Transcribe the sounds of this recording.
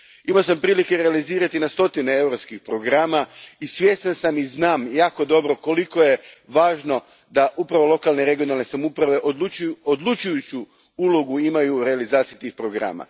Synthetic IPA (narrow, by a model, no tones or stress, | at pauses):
imaosampɾiːlikeɾe̞aliziːɾat̪inast̪o̞t̪ineewɾopskixpɾo̞ɡɾaːmaisʋje̞ːst̪ansamiznaːmjaːko̞d̪o̞bɾo̞ko̞liko̞je̞ʋaːʒno̞ | d̪aʔupɾaʋo̞lˠo̞kalˠneɾe̞ɡijo̞nalne̞samupɾaʋe̞ʔod̪uod̪lˠut͡ʃujut͡ɕu | ulˠo̞ɡuimajuɾe̞alizaːt̪sijit̪iːxpɾo̞ɡɾa̰ːma̰